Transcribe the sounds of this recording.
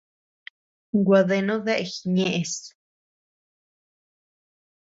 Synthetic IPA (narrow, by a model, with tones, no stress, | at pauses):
ɡʷa˧ðe˧nõ˦ðe˦ʔe˧˨xi˨ɲẽ˧ʔe˧s